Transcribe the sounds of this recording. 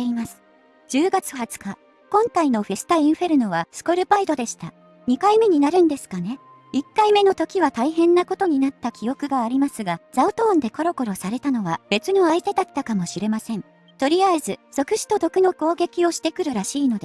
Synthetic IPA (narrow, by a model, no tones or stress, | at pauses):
eimasɨ̥ | d͡ʑɨːɡat͡sɨ̥hat͡sɨ̥ka | kõ̞ŋkaino̞ɸe̞sɨ̥t̪aĩɰ̃ɸe̞ɾɯ̟no̞βasɨ̥koɾɯ̟baid̪o̞d̪e̞ɕi̥t̪a | ɲ̟ikaime̞ɲ̟inaɾɯ̟̃nd̪e̞sɨ̥kane̞ | ikːaime̞no̞t̪o̞kʲiβat̪aiɦẽ̞nːako̞t̪o̞ɲ̟inat̪ːakʲijo̞kɯ̟ɡaːɾʲimasɨɡaz̥aot̪õːnd̪e̞ko̞ɾo̞ko̞ɾo̞saɾe̞t̪ano̞βab̥e̞t͡sɨno̞ait̪e̞d̪at̪ːakamo̞ɕiɾe̞masẽ̞n | t̪o̞ɾʲiaezɨz̥o̞kɯ̟ɕi̥t̪o̞d̪o̞kɯ̟no̞ko̞ːɡe̞kʲio̞ɕi̥t̪e̞kɯ̟ɾɯ̟ɾaɕiːno̞d̪e